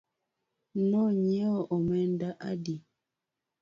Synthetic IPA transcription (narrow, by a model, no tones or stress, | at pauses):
ŋɔɲɛɔʔomɛndaʔa̰di